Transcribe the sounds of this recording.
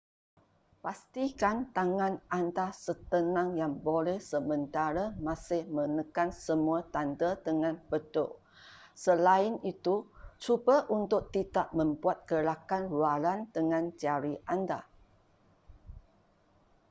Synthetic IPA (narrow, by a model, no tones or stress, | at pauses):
past̪ikant̪aŋãnʔandasət̪ənãŋjaŋbolɛhsəmə̃nt̪aɾəmãsɪhmə̃nəkansəmuat̪andəd̪əŋãnb̥ət̪ʊ̰ʔ | səlaɪnit̪ut͡ʃubaʔunt̪ʊk̚t̪it̪aʔmə̃mbuat̪̚kəlakanlualand̪əŋãnd͡ʒaɾiʔanda̰